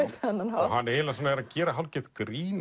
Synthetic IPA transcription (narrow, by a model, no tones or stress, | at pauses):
ɪt̪ɛnːanaɦanːɛɛlasanaɛɾaðcɛːɾaɦawlcɛt̪kɾiːn